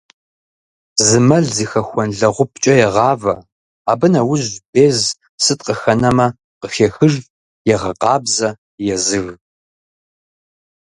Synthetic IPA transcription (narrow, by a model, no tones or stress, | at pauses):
zɨmɐɮziːxɐxʷɔnɮɐʁʷʊpt͡ʃʼɐjɛʁɑːvɐ | aːbɨnɐwʊʑb̥eːz | sɨtʼqəxɐnɐmɐ | qəxeːxɨʒ | jɛʁɐqʼɑːbzɐ | jɛzɨɣ